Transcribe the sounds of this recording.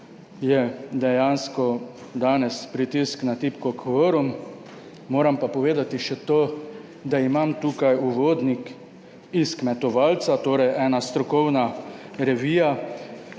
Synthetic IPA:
jɛd̪ɛjanskɔ | d̪aːnɛspɾit̪isknat̪iːpkɔkʋəɾumː | oːɾampapɔʋeːd̪at̪iʃɛt̪oː | d̪aimamt̪uːkajuʋoːd̪nik | iskmɛt̪ɔʋaːlt̪sat̪oːɾɛjʔɛːnast̪ɾɔkɔwnaɾɛʋiːja

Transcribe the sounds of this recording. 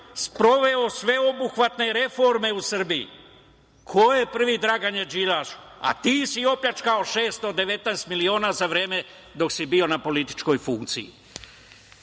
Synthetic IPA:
spɾo̞ʋe̞o̞sʋe̞o̞buxʋat̪ne̞ɾe̞foɾme̞usr̩biḭ | kʰo̞jepr̩ʋid̪ɾaɡaɲed͡ʒilaʃ | a̰t̪iːsiopʎat͡ʃkao̞ʃe̞ːst̪o̞d̪e̞ʋe̞t̪najst̪milio̞ːnazaʋɾe̞ːme | d̪o̞ksibio̞napo̞lit̪i̥t͡ʃko̞jfuŋkt̪sijḭ

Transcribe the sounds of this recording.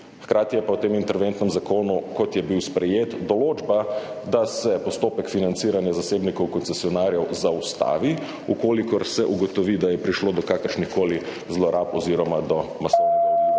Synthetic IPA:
xkɾaːt̪ijɛpawt̪emint̪ɛɾʋent̪nɛmzakoːnukɔt̪jɛbiwspɾɛjeːt̪d̪ɔloːd͡ʒba | d̪asɛpɔst̪oːpɛkfinant̪siːɾanjazaseːbnikɔwkɔnsɛsijɔnaːɾjɛwzaust̪a̰ːʋi | ukoːlikɔɾsɛʔuɡɔt̪ɔʋid̪ajɛpɾiʃloːd̪ɔkakəɾʃnixkoːli | zlɔɾapɔziɾɔmad̪ɔmaso

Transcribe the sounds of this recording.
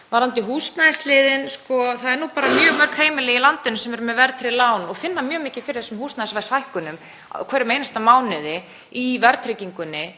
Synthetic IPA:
vaɾant̪ɪɦuːst̪naslɪːðɪnskɔθaðɛɾnuːpaːɾamjœːɣmœɾ̥kʰheːjmɪlɪilant̪ɪnʏmsɛmɛɾʏmɛðvɛɾt̪ʰɾɪlaːwnɔɣfɪnːamjœːɣmɪːcɪfɪɾɪɾθɛsɛmhuːst̪naðjsvasajhkʏnʏm | kʰvɛɾɪmejnast̪amaːwnɪðɪ | ivɛɾt̪ɾɪciŋkʏnːɪ

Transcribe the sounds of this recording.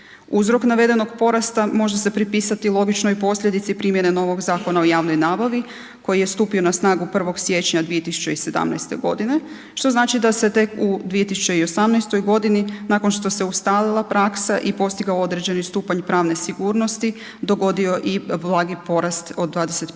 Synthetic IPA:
uzɾo̞knaʋe̞d̪e̞no̞ɡpo̞ɾast̪amo̞ʒese̞pɾipiːsat̪ilˠo̞ɡit͡ʃno̞ipo̞slʲʎʲe̞d̪it̪sipɾimje̞neno̞ʋo̞ɡzaːko̞nao̞jaːʋno̞jnaːbaʋi | ko̞jije̞st̪uːpio̞nasnaːɡupr̩ʋo̞ɡsje̞t͡ɕɲad̪ʋije̞t̪isu̥t͡ɕe̞ise̞d̪a̰mna̰jst̪e̞̰ɡo̞d̪ine̞ | ʃt̪o̞znaːt͡ʃid̪ase̞t̪e̞kud̪ʋije̞t̪isut͡ɕe̞io̞samnajst̪o̞jɡo̞d̪ininako̞nʃt̪o̞se̞ust̪aːlilˠapɾaksaʔipo̞st̪iɡaoo̞d̪ɾed͡ʑe̞nist̪uːpaɲpɾaːʋne̞siɡuːɾno̞st̪i | d̪o̞ɡo̞d̪io̞ʔiblˠaːɡipo̞ɾast̪o̞d̪̚d̪ːʋaːd̪ese̞t̪

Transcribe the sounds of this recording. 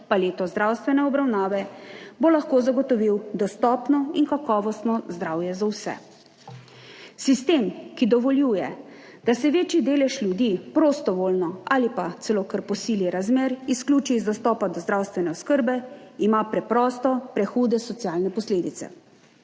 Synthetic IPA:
paleːt̪ɔzd̪ɾawst̪ʋɛnɛɔbɾawnaːʋɛbolaxkoːzaɡɔt̪ɔʋiwd̪ɔst̪ɔːpnɔinkakɔːʋɔst̪nɔzd̪ɾaːwjɛzawsɛ̰ | sist̪emkid̪ɔʋɔljuːjɛ | d̪̥asɛʋeːt͡ʃid̪eːlɛʃlʲjud̪ipɾost̪ɔʋoːlnɔalipat̪sɛloːkəɾpɔsiːliɾazmeːɾisklʲuːt͡ʃizd̪ast̪ɔːpad̪ɔzd̪ɾawst̪ʋɛnɛɔskəɾbɛimapɾɛpɾɔːst̪ɔpɾɛxuːd̪ɛsɔt̪siaːlnɛpɔsleːd̪it̪sɛ̰

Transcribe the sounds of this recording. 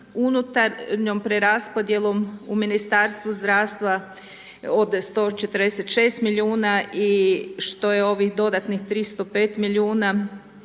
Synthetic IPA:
unut̪aɾɲo̞mpɾeɾaspo̞d̪je̞lo̞muminist̪aɾst̪ʋuzd̪ɾaːʋst̪ʋa | od̪st̪o̞t͡ʃe̞t̪əɾd̪eset̪ʃe̞ːst̪milʲiuːnaiʃt̪o̞jeo̞ʋixd̪o̞d̪at̪nixt̪ɾist̪opeːt̪milʲiuːna

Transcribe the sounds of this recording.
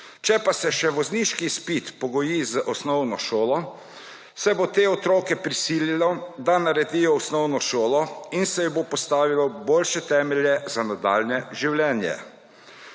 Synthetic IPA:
t͡ʃɛpasɛʃɛʋɔzniʃkispit̪pɔɡɔjizəʔɔsnɔwnɔʃoːlɔ | sɛbot̪eːɔt̪ɾoːkɛpɾisiːlilɔd̪anaɾɛd̪ijɔɔsnɔwnɔʃoːlɔinsɛjɔbopɔst̪aːʋilɔboːlʃɛt̪ɛːmɛljɛzanad̪a̰ːlnɛʒiwlɛːnjɛ̰

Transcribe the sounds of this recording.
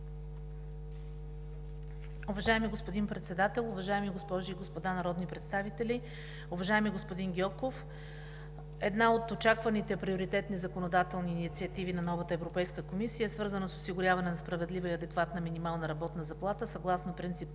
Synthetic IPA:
ʊvɐʒaɛmiɡospod̪inpɾɛt̪sɛd̪at̪ɛlˠʊvɐʒaɛmiɡospɔʒiːɡospod̪anɐɾɔd̪nipɾɛt̪st̪avit̪ɛlʲi | ʊvɐʒaɛmiɡospod̪inɡʲɔkof | ɛd̪naot̪ot͡ʃakvɐnit̪ɛpɾioɾit̪ɛt̪nizɐkonod̪at̪ɛlˠniːnit̪siɐt̪ivinɐnɔvət̪əɛvɾopɛjskəkomisijəɛsvɤɾzənəsosiɡʊɾʲjavɐnɛnɐspɾɐvɛd̪lʲivəiɐd̪ɛkvat̪nəminimalˠnəɾɐbɔt̪nəzɐplˠat̪əsɐɡlˠasnopɾint̪sip

